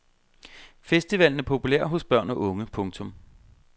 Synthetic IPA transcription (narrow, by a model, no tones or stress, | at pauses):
fesd̥iʋɛl̰n̩æɐpʰo̝puleɐ̰ɦɔ̽sb̥ɶɐ̰nəʔɔ̽ŋəpʰɔ̽ŋt͡sʰɔ̽m